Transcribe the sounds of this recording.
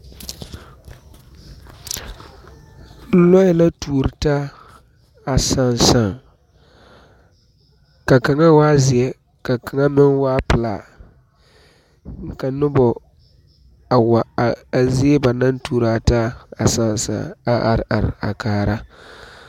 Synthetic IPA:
lɔ˦jɛ˦la˦tuː˨ɾɨ˨ta˦ | a˨sa˦˨nsa˨ | ka˨ka˨ŋa˦waː˦zɪ˨ɛ˦ | ka˨ka˨ŋa˦mɪ˦nwaː˦pɨ˨la˨ | ŋ̩˨ka˨nʊ˦bɔ˨ | a˨wa˨a˨zɪ˦ɛ˦ba˨na˦ntuː˨ɾa˨ta˦a˨sa˦˨n˨sa̰˨a˨a˨ɾʔa˨ɾɪ̰˨a̰˨kaː˨ɾa˦

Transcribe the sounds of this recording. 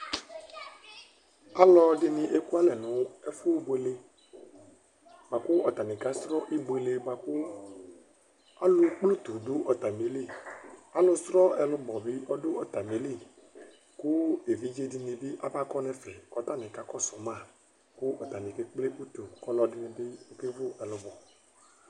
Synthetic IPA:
a˦lɔ˦dɪ˦nɪ̃˨ʔe˦ku˦a˦lɛ˨nʊ̃˨ɛ˦fu˦bo˨e˨˦le˦ | ba˨kʊ˦ɔ˨t̪a˨nɪ̃˨ka˦st̪ɾɔ˦ʔi˦bo˨e˨le˨ba˨ku˦ | a˦lʊ˦k͡plo˦t̪u˨dʊ˦ʔɔ˨t̪a˨me˨˦le˦˨a˦lʊ˦st̪ɾɔ˦ɛ˨lʊ˦bɔ˨bɪ˦ʔɔ˦dʊ˦ɔ˨t̪a˨m˨e˨˦li˦ | kʊ˦e˨vi˦d͡ʒe˦di˨nĩ˨bɪ˦ʔa˦ba˦kɔ˦nɛ˦fɛ˨kɔ˨˦t̪a˦˨nɪ̃˨ka˦kɔ˦sɔ˨mã˦˨ | kʊ˦ʔɔ˨t̪a˨nɪ̃˨ke˦k͡ple˦ʔu˦t̪u˨kɔ˦lɔ˦dɪ˨nɪ̃˨bɪ˦o˦ke˦vʊ˦ɛ˨lʊ˨bɔ˨

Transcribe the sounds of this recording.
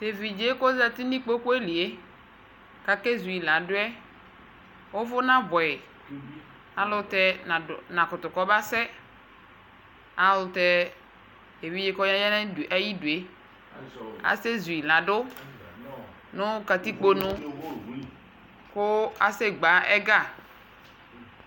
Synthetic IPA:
t̪e˨vi˨d͡ʒe˦ko˦za˨t̪i˦nĩ˦k͡po˦ko˦e˦li˨e˦ | ka˨ke˦zu˨i˨la˨dʊ˦ɛ˦ | wo˦vʊ˦nã˦bɔ˨ɛ˨ | a˨lʊ˦t̪ɛ˦˨nã˨kʊ˨t̪ʊ˨kɔ˦ba˦sɛ˦ | a˨lʊ˨t̪ɛ˦ | e˨vi˦d͡ʒe˦kɔ˦ɲã˦ja˦na˦˨ʔa˦ji˦du˨e˨ | a̰˦se˦zu˨i˨lã˨ɖʊ˦ | nʊ̃˦ka˨t̪i˦k͡po˦nʊ̃˦ | kʊ˦a˦se˦ɡ͡ba˨˦ɛ˦ɡa˦˨

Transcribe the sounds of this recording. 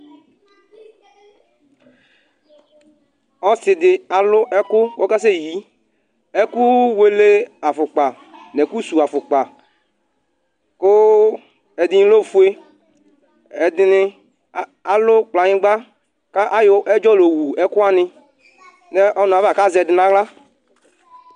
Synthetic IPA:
ɔ˦sɪ˨dɪ˨a˨lʊ˦ʔɛ˦kʊ˦wo˦ka˦s̬e˦ji˨˦ | ɛ˦ku˦we˦le˦a˨fʊ˨k͡pa˨ | nɛ˨ku˦su˨a˨fʊ˨k͡pa˨ | kʊ˦ | ɛ˨dɪ˦ɲĩ˦lo˦˨fu˦e˦ | ɛ˨dɪ˦nɪ˦ | a˨lʊ˦k͡pla˨ɲɪ̃˦ɡ͡ba˦ | ka˦ʔa˦jʊ˦ʔɛ˦d͡ʒɔ˦lo˨wu˨ɛ˦kʊ˦a˦nɪ˦ | nɛ˦ʔɔ˦nʊ̃˨a˨va˨ka˦zɛ˨dɪ˨nã˨˦ɣla˦

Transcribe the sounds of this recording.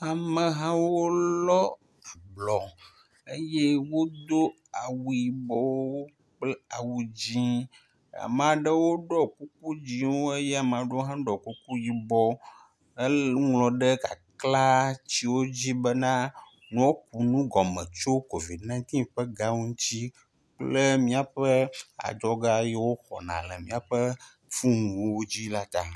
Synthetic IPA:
a˨mə̃˨ɦã˦wo˦lɔ˦ | a˨blɔ̃˨ | e˦je˦wo˦d̪o˦ | a˨wu˨ji˨bɔ˦wo˦wo˦ | k͡plɛ˦a˨wu˨d͡ʑĩ˦ | a̰˨m˨a˨ɖə˦wo˦ɖɔ˦ku˦k̚u˦d͡ʑĩ˦wo˦e˦je˦a˨mɛ˨a˨ɖe˦wo˦ɦã˦ɖɔ˨ku˦ku˦ji˨bɔ˦ | e˦ŋlɔ̃˨ɖɛ˦ka̰˨kla˦t͡ɕi˦wo˦d͡ʑi˦bə˦nã˦ | nũ˦wo˦k̚u˨nũ˦ɡɔ˨mɛ̃˨t͡ʃo˦ko˨vi˨dnã˦t̪ĩ˦ɸə˦ɡa˦wu˦ŋũ˦t͡ɕi˦ | k͡plə˦mĩ˦a˨ɸə˦a̰˨d͡ʒɔ˦ɡa˦jɛ˦wo˦xɔ̰˨nã̰˨lɛ˨mĩ˦a˨ɸə˦ | fũ˦ŋũ˨wo˦wo˦d͡ʑi˦la˦t̪a˨

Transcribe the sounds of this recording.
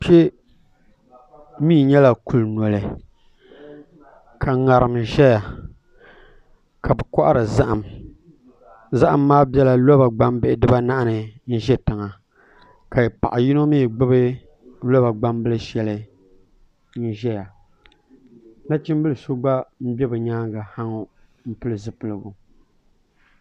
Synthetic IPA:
pe˦ | mi˦˨ɲɛ˦la˨ku˦lnɔ˨lɨ˨ | ka˨ŋa˨ɾɨ˨mʒɛ˦ja˨ | ka˨bɛ˨kɔ˦ʔa̰˦ɾɨ˨za˦ʔa˨m | za˦ʔa˨mːaː˦bɛ˦la˨lɔ˦ba˨ɡ͡ba˦mbɪ˦˨ʔɪ˨dɨ˦ba˦na˦ʔa˦nɨ˨n̩˦ʒɛ˦tɨ˨ŋa˨ | ka˨jpa̰˨ʔa˨ji˦no˦miː˦˨ɡ͡bɨ˦bɨ˦ | lo˦ba˨ɡ͡ba˦mbɨ˦lɨ˦ʃɛ˨˦lɨ˦ | n̩˦ʒɛ˦ja˨ | na˦t͡ʃi˦m˦bɨ˦lɨ˨so˦ɡ͡ba˦m̩˦bɛ˦bɨ˨ɲaː˦ɡa˨ha˦ŋo˦ | m̩˦pɨ˦lɨ˨zɨ˦pɨ˨lɨ˨ɡʊ˨

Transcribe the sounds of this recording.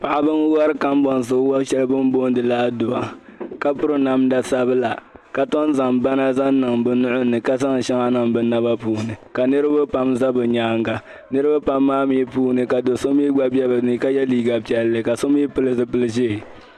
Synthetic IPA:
pa˨ʔa˨bɨ˦ŋ˦wa˦ɾɨ˦ka˦m˦bɔ˨n˨sɨ˨˦wa˦ʃɛ˦lbɨ˦m˦bo˦n˦dɨ˨laː˦do˨a˨ka˦pʊ˦ɾɨ˦na˨mda˨sa˦bɨ˦la˨ka˨tɔ˦n˦za˨mba˦na˦za˦nː˦ɨ˨ŋbɨ˨nʊ˦ʔʊ˦nɨ˨ka˦sa˦ŋ˨ʃa˦ŋa˦nɨ˨ŋbɨ˨na˦ba˦puː˦nɨ˨ka˨nɨ˦ɾɨ˦ba˦pa˦mza˦bɨ˨ɲaː˦ŋɡa˨ | nɨ˦ɾɨ˦ba˦pa˦mːaː˦mi˦puː˦nɨ˨ka˨do˨so˦m˦i˦ɡ͡ba˦bɛ˦bɨ˨nɨ˦ka˦jɛ˦liː˦ɡa˨pi˨ɛ˨lːɨ˨ka˨so˦m˦i˦pɨ˦lɨ˦zɨ˨pɨ˦lɨ˦ʒe˦˨

